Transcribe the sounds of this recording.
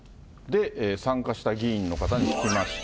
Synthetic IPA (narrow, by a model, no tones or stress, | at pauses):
d̪e̞ʔːsãŋkaɕi̥t̪aɡʲiĩnːo̞kat̪aɲ̟ikʲi̥kʲimaɕi̥